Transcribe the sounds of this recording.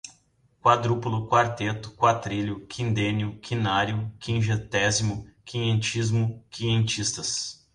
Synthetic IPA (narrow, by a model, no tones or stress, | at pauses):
kwad̪ɾupulʊkwaɾt̪et̪ʊ̥kwat̪ɾiʎʊkʰĩnd̪ẽnjʊkʰinaɾjʊkĩʒet̪ɛzimʊkĩẽnt͡ʃizmʊkiẽnt͡ʃist̪ɐs